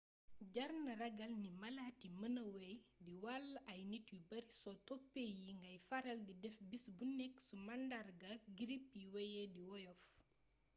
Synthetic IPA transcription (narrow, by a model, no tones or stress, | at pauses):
ɟɐrnɐrɐɡɐlnimɐlatimɐnɐwɛjdiwalʔɐjnitwibɐrsɔtɔpːejiŋɡɐjfɐɾɐldidɛfbisbunɛksumɐndarɡɐɡiɾipjiwɛjɛdiwɔjɔf